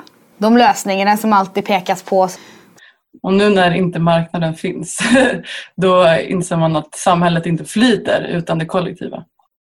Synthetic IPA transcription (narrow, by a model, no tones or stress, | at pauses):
d̪ɔmløːsnɪŋanasɔmalt̪iːd̪̚pʰeːkaspʰɔ | ɔnʉ̟ːnæɾɪnt̪əmaɾknad̪ənfɪns | d̪ɔɪ̰nseːɾmanat̪samhɛlːət̪ɪnt̪əflyːt̪ə̰ɾʉ̟̰ːt̪and̪ɛkʰɔlːɛ̰kt̪ʰḭːva̰